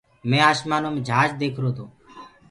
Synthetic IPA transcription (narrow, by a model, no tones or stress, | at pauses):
mẽːaːʃmaːnoːmẽːd͡ʒʱaːd͡ʒd̪eːkʰɾoːt̪ʰoː